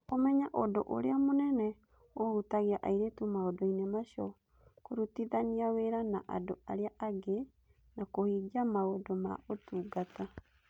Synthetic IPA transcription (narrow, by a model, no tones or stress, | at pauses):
omɛɲaʔodoʔo̰ɾḛamonɛnɛ | ohutaɣiaʔaiɾetumaodɔinemaɕɔ | koɾutiðaniaweɾanaʔa̰doaɾeaʔaɡe | nakohiɡamaodoma̰otuːɡata